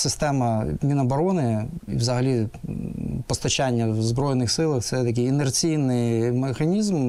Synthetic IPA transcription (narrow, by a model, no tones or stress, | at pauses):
sɪst̪ɛmɐmʲinɐbɐɾɔnɪiwzɐɦɐlʲi | pɔst̪ɐt͡ʃanʲːɐwzbɾɔjnɪxsɪlˠɐxt̪sɛt̪ɐk̬ʲɪjinert͡sʲijnɪjmexɐnʲizm